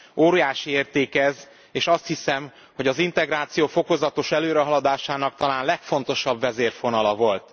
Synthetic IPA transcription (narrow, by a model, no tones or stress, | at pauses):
oːɾijaːʃieːrt̪eːkɛz | eːʃɒst̪hisɛm | ho̞ɟɒzint̪ɛɡɾaːt̪sijoːfo̞ko̞zɒt̪o̞ʃɛløːɾɛɦɒlɒd̪aːʃaːnɒk̚t̪ɒlaːnlɛkfo̞nt̪o̞ʃɒbvɛzeːrfo̞nɒlɒvo̞lt̪